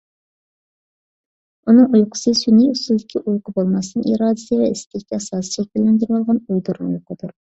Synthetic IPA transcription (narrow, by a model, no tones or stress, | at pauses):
unɨŋujqʰʊ̥sɨsyniusɪzd̪ɪkʲʰiʔujqʰʊbolˠmɑsnɨʔiɾɑːd̪ɪsɨvɛist̪ʰɪkʲːɛɑsɑːst͡ʃʰlk̚bɪlʲɪnd̪yɾwɑlˠʁɑnujd̪uɾnujoqʰəd̪uɾ